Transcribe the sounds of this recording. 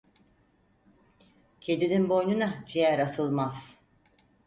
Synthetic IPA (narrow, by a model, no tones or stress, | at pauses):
cʰed̪ininbo̞jnunad͡ʒijæɾasɯlˠmaz̥